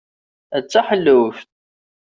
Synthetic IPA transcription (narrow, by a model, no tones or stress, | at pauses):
æt͡sːaħəlːəwft̪̚